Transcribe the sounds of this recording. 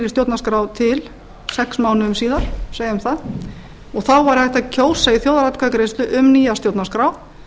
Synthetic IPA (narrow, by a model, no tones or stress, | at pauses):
ɾɪst̪jowt̪naskɾawt̪ʰɪl | sɛksmaːwnʏʏmsiːðaɾ̥seːjɪʏmθað | ɔɣθawvaɾ̥θɛht̪acʰoːwsaiθjoːwðaɾat̪kʰvakɾejst̪ʏʔʏmniːjast̪jowt̪naskɾaw